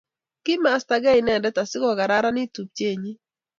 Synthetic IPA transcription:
kɪ˦ma˨sta˨ɡɛ˦ɪ˨nɛ˨ndɛ˦ta˨sɪ˦kɔ˨ɡa˨ɾa˦ɾa˦nɪ˦tu˨p̚t͡ʃe˦˨ɲi˦

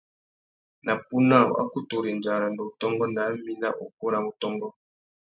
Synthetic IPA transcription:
nʔa˨pu˦na˦˨o̰˨a̰˦ku˦to˨ɾi˨n˨d͡ʒa˨ɾa˨ndɔ˨tɔ˦ŋɡɔ˦na˨˦mi˦na̰˦ʔo̰˨ko˦ɾa˦mo˨tɔ˦ŋɡɔ˦

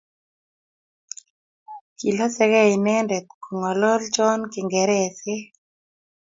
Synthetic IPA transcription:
ki˨lo˦sɛ˦ɣɛ˦inɛ˦ndɛ˨tku˨ŋɔ˨lɔ˦lt͡ʃɔ˦nkɪ˨ŋɡɛ˨ɾɛse˦

